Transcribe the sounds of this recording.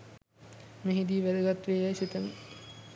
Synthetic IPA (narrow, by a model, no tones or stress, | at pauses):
meɦid̪iʋæd̪əɡat̪ːʋeːlajsit̪əmḭ